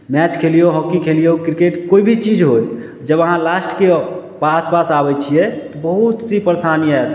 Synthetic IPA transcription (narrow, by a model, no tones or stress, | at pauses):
mɛt͡ʃkʰelijoɦɔkːikʰelijokɾikeʈkoibʱit͡ʃid͡ʒɦoj | d͡ʒəbəɦãlasʈkepaspasabɛt͡ʃʰijɛt̪ɔbəɦut̪sipəɾesanijəɛt̪